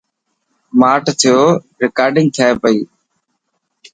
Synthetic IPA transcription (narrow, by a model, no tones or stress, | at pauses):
maːʈt̪ʰɪjoː | ɾɪkaːɾɖɪ̃ŋɡ̚t̪ʰjaːeːpəiː